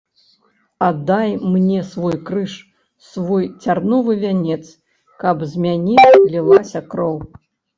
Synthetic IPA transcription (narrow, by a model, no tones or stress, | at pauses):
ad̪ːajmnʲɛsvɔjkɾɨʂ | svɔjt͡sʲarnɔvɨvʲanʲɛt̪s | kɐbzʲmʲanʲɛlʲilˠasʲɐkɾɔw